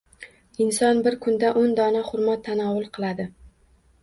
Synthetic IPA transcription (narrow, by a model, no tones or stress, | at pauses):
ɪnsɒnbɪɾkʰʊnd̪aʔond̪ɒnaχʊɾmat̪ʰːanɒwʊlˠqʰɨlˠad̪ɪ